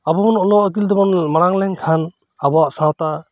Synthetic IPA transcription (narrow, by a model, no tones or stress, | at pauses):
abɔmɔnɔlɔkildɔbɔnmaɾaŋlɛŋkʰan | abɔaʔsawta